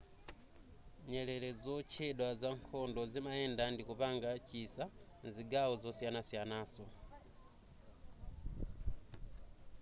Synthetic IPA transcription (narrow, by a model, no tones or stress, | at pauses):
ɲɛlɛlɛd͡zɔt͡ʃʰɛɗwazaŋkʰɔndɔzimaɛndandikupaŋɡat͡ʃisa | nziɡaɔzɔsianasianaːsɔ